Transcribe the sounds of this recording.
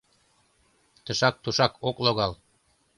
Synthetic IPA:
t̪ə̆ʃɑk̚t̪uʃɑkokloɣɑl

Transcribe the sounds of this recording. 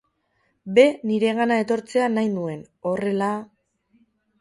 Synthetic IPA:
be̞niɾe̞ɣ̞anae̞t̪o̞ɾt͡se̞anajnue̞n | o̞re̞la

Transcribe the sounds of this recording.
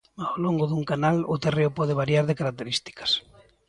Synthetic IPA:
awloŋɡʊðuŋkanalʊt̪ereʊpɔð̞ɪβaɾjaɾðɪkaɾak̚t̪eɾist̪i̥kɐ̥s

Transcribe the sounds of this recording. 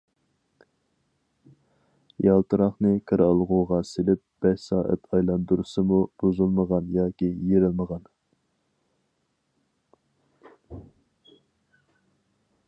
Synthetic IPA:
jʔɑlˠt̪ɨɾɑχnɨkʰəɾɑlˠʁuʁɑselɪp̚b̥ɛʃsɑːʔæ̰t̪ʰɑjlˠɑnd̪uɾusɨmub̥ozulˠməʁɑnjɑːkʲijeɾɪlməʁɑn

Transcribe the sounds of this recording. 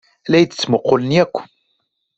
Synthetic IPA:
læjd̪ə̥t͡sːmʊqːʊlənjækʷː

